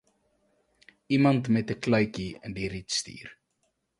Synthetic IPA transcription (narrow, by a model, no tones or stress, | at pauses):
imɐntmɛtəklœɥkiə̰ndiɾitstḭːr